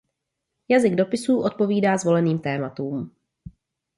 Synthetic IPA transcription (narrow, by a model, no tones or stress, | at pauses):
jazɪɡdo̞pɪsuːʔo̞t̪̚po̞viːdaːzvo̞lɛniːmt̪ɛːmat̪uːm